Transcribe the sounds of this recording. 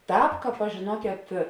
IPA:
ˈtɑːp ˈkɑːp ɐʃ ʒʲeːˈnuɔkʲeːt

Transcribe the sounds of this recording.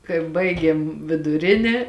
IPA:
kɐɪ ˈbɐɪɡʲeːm ʋʲɪdʊˈrʲɪnʲeː

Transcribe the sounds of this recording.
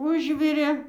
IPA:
ˈʊʒʲʋʲɪrʲeː

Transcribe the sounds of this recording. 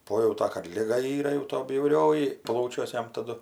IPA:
ˈpoːjɛʊtɐ kɐt ˈlʲɪɡɐ ˈiːrɐ jɛʊ toː bʲjɛʊˈrʲoːjɪ ˈplˠɐʊt͡ʃʲuɔs ˈjɛm tɐˈdʊ

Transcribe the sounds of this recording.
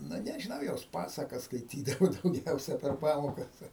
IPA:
ˈnʊ nʲɛʒʲɪˈnɐʊ joːs ˈpɑːsɐkɐs skɐɪˈtʲiːdɐʋʊ dɐʊˈɡʲɛʊsʲɛ pʲɛr ˈpɑːmoːkɐs

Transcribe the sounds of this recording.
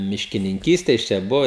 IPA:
mʲɪʃʲkʲɪnʲɪŋʲˈkʲiːsʲtʲɛ ˈjɪs t͡ʃʲɛ ˈbʊʋoː

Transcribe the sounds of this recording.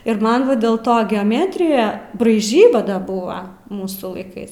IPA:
ɪr ˈmɐn ˈʋɐ dʲeːlˠ ˈtoː ɡʲɛoːˈmʲæːtʲrʲɪjɛ brɐɪˈʒʲiːbɐ ˈdɐ ˈbʊɐ ˈmuːsuː lˠɐɪˈkɐɪs

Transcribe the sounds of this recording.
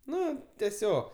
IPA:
ˈnʊ tʲɛˈsʲoːk

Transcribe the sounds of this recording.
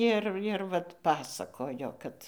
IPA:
ˈɪr ɪr ˈʋɐt ˈpɑːsɐkoːjoː ˈkɐt

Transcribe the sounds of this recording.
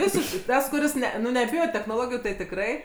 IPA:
ˈʋʲɪsʲɪʃkɐɪ ˈtɐs kʊˈrʲɪs ˈnʲɛ nʊ nʲɛˈbʲɪjoː tʲɛxnoːˈlˠoːɡʲɪjuː tɐɪ tʲɪkˈrɐɪ

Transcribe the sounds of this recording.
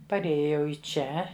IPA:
pɐrʲˈeːjoː jɛʊ ɪ ˈt͡ʃʲɛ

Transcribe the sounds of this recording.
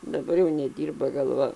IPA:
dɐˈbɐr jɛʊ nʲɛˈdʲiːrbɐ ɡɐlˠˈʋɐ

